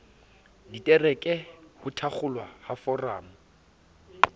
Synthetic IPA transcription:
ditʼɛrɛkʼɛhʊtʰak͡xʊlwahafɔraːmʊ

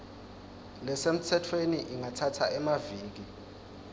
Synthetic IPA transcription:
lɛsem̩tʰɛtʰweniʔiŋatʰatʰaɛmaviːk̬i

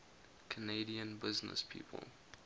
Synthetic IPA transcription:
kʰəneɪɾiə̃nbɪznə̰spʰḭːpʰə̰lˠ

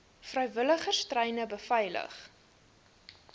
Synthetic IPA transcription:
frœɥvələχərstrɛjnəbəfɛjlə̰χ

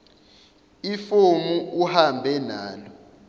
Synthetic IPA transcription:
ifumuʔuhambʱɛnaːlɔ

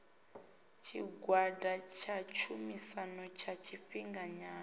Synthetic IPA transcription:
t͡ʃʰḭɡwadʱat͡ʃʰat͡ʃʰumisanɔt͡ʃʰat͡ʃʰiɸiŋɡaɲaː

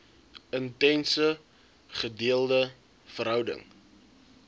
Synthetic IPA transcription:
əntɛnsə | χədiəlˠdə | fəɾɦœwdə̰ŋ

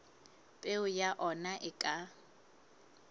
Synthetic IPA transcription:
pʼeʊjaʔɔnaʔɪkʼa

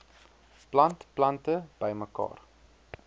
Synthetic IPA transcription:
plɐntplɐntəb̥əjməkɑ̰ːr

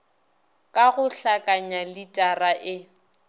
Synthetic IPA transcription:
kʼaɣʊɬakʼaɲalɪtʼaraʔɪ

